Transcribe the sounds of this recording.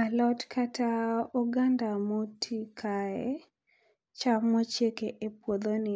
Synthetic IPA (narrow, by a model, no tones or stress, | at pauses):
alɔtkʰatauɡandamotʰikʰaɛ̰ | t͡ʃamɔt͡ʃjekeʔepwod̪onɪ